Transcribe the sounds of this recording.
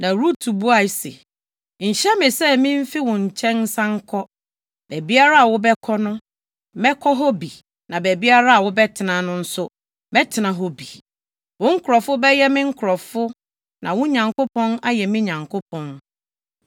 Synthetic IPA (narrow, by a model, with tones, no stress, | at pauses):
nã˨ɾu˦tʰu˨bu˦a˨sḛ˨ | ɲ̩˨ɕɛ˦mɪ̃˨sɛ˦mɪ̃˦m̩˦fi˦wʊ̃˨ɲ̩˨t͡ɕʰɛ̃˦n˦sã˦ŋ̩˦kʰɔ˦ | bɛ˨bi˦a˦ɾa˦a˨wʊ˦bɛ˦kʰɔ˦nʊ̃˦ | mɛ˦kʰɔ˦ɦɔ˦bi˨ | nã˨bɛ˨bi˦a˦ɾa˦a˨wʊ˦bɛ˦tʰɪ˨nã˨nʊ̃˦n̩˦sʊ˦ | bɛ˦tʰɪ˨nã˨ɦɔ˦bi˨ | wʊ̃˦ŋ̩˦kʰʊ˨ɾɔ˨fʊ˦bɛ˦jɛ˦mɪ̃˦ŋ̩˦kʰʊ˨ɾɔ˨fʊ˦ | nã˨wʊ̃˦ɲã˨ŋkʊ˦pʰɔ̃˦na˦jɛ˨mɪ̃˦ɲã˨ŋkʰʊ˦pʰɔ̃˦n